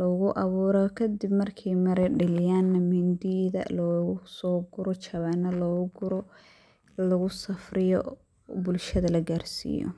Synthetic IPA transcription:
lɔɣʊʔɑβuːɾɔkʰɐd̪ɪbmɐrkʰɛjmɐɾɛɖɪlɪjaːnːɐmɪnd̪iðɐ̰lɔɣʊsɔːɡʊɾɔt͡ʃʰɐβɛnːɐlɔːɣʊɡʊɾɔ | lɐɣʊsɐfrɪjɔ̰ | bʊlʃɐðɐlɐɡaːrsḭːjɔ̰

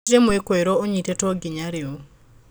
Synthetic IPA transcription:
ɾemoekwoeɾooɲitetɔɡɪɲaɾɪo

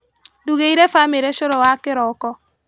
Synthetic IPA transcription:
duɣeiɾɛfameɾɛʃoɾɔwakeɾɔkɔ

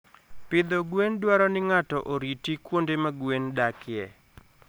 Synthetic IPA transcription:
pɪd̪ɔɡwendwaɾɔnɪŋatɔʔoɾitikwondemaɡwendakɪɛ

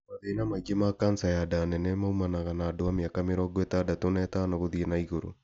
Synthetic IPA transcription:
maðeinamaiɡemakansajadanɛnɛmaumanaɣanaːdoameakameɾɔːɡwetadatonɛtanaɣoðienaiɣoɾo̰

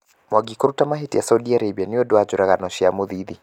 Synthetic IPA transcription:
mwaɡikuɾutamaɦitijasaudiaɾebianiɔdwad͡ʒuɾaɣanɔʃiamuðiði

